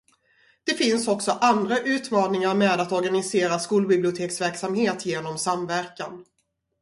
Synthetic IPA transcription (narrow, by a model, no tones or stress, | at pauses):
d̪̥ɛfɪnsɔksɔʔand̪ɾaʔʉ̟ːt̪mɑːnɪŋaɾmeːd̪at̪ɔɾɡanɪseːɾaskuːlbɪblɪʊt̪ʰeːksvæɾksamheːt̪jeːnɔmsamvæɾkan